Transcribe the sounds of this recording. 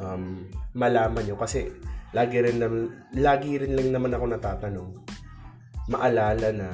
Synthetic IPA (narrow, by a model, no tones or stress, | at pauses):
ʔɐmːɐlaːmɐnjokɐsɛlaːɡɪɾɪnlɐm | laːɡɪɾɪnlɐŋnɐmanɐko̞nɐt̪aːt̪ɐno̞ŋ | mɐʔɐlaːlɐnɐ